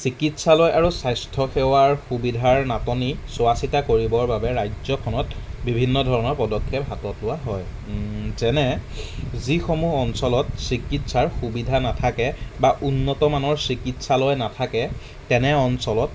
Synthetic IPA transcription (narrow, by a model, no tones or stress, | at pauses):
sikitsalɔjʔaɹusajstʰɔxɛwaɹxubidʱaɹnatɔnisʊasitakoɹibɔɹbabɛɹajzɔkʰɔnɔt̚bibʱinːɔdʱɔɹɔnɔɹpɔdɔkʰːɛpɦatɔtlʊwaɦɔj | zɛnɛ | zixomuɔnsɔlɔtsɹikitsaɹxubidʱanatʰakɛbaʔunːɔtɔmanɔɹsɹikitsalɔjnatʰakɛ | tɛnɛɔnsɔlɔt